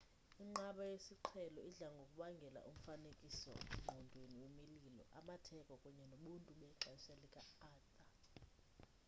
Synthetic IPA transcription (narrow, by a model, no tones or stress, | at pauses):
iŋ͡ǃaɓajesiǃʰɛlɔiɮaŋɡʱokʼuɓaŋɡʱɛla̰ʔum̩fanekʼisɔ̰ŋ͡ǃʱɔndʱweniwemililɔ̰ʔamatʰɛkʼɔkʼuɲɛnoɓuntʼuɓɛǁasɛlɛkʼaaːtʼa